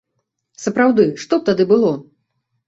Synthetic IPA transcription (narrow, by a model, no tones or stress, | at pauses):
sɐpɾawd̪ɨʂt̪ɔp̚t̪ad̪ɨbɨlˠɔ